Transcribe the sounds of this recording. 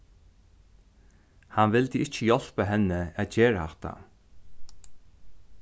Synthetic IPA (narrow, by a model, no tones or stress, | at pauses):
hanvɪld̪əɪht͡ʃəjɔl̥pəɦɛnːəaðt͡ɕɛːɹaa̰ht̪a̰